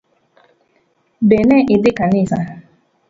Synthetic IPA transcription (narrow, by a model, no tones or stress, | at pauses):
beneʔɪdɪkanisa